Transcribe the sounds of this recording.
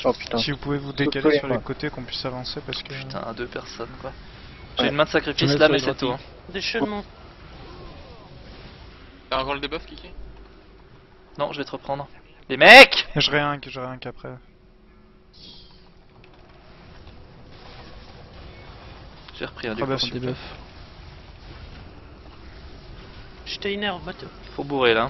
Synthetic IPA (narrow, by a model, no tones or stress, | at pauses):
ɔpy̥t̪sivupuvevud̪ekalesyʁlekot̪ekɔ̃pɥisavɑ̃sepaʁsə̥kət̪ɛ̰̃ad̪øpɛʁsɔnkwa | ʒeynmɛ̃d̪ə̥sakχifislamɛsɛt̪uɛ̃ | d̪eʃɔmɑ̃ | t̪ɛ̃ɡɑ̃ld̪ebœfkʲikʲɛ | nɔ̃ʒəvɛt̪əʁəpχɑ̃d̪ʁ | lemɛkʒəʁeɛ̃kʒəʁeɛ̃kapχɛ | ʒ̥ḛʁəpχiɛ̃d̪ybɛ̃d̪ebf | ʃt̪einɛʁbat̪ | puʁbuʁela